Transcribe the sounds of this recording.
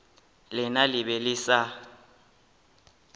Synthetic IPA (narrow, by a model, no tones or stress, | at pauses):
lɪnalɪβɛlɪsa